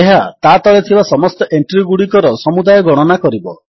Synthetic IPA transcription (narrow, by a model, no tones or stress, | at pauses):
eɦat̪at̪ɔɭet̪ʰibasɔmɔst̪ɔʔeɳʈɾiɡuɽikɔɾɔsɔmud̪ajɔɡɔɽ̃ɔnakɔɾibɔ